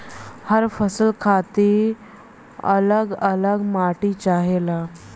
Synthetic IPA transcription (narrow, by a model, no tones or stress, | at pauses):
həɾfəsəlkʰat̪i | ə̰ləɡələɡmaʈiːt͡ɕaɦela